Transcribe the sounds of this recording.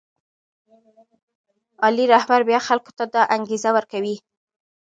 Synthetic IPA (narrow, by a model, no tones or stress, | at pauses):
ɑliɾahbaɾbjɑxalko̥t̪ad̪ɑʔaŋɡezawəɾkawi